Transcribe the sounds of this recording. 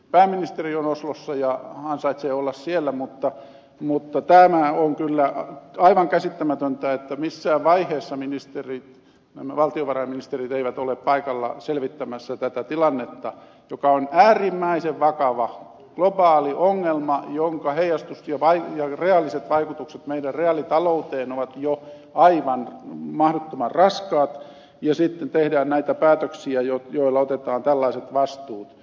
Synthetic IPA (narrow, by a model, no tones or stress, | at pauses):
pæːmːinist̪erionoslosːɑjɑhɑnsɑit̪seːolːɑssielːæmut̪ːɑ | mut̪ːɑt̪æmæoŋkylːæɑiʋɑŋkæsit̪ːæmæt̪ønt̪æet̪ːæmisːæːʋʋɑiheːsːɑminist̪erit̪ | næ̰mæʋɑlt̪ioʋɑrɑiminist̪erit̪eiʋæt̪oleppɑikɑlːɑ̰selʋit̪ːæmæsːæt̪æt̪æt̪ilɑnːet̪ːɑ | jokɑonæːrimːæiseʋʋɑkɑʋɑ | ɡ̥lobɑːliʔoŋːelmɑjoŋkɑheijɑst̪usjɑʋɑijɑreɑlːiset̪ʋɑikut̪ukset̪meidærreɑlit̪ɑlout̪eːnoʋɑt̪jo | ɑiʋɑnmɑhdot̪ːomɑrrɑskɑːt̪ | jɑsit̪ːent̪ehdæːnnæit̪æpæːt̪øksiæjotjoilːɑot̪et̪ɑːnt̪ælːɑiset̪ʋɑst̪uːt̪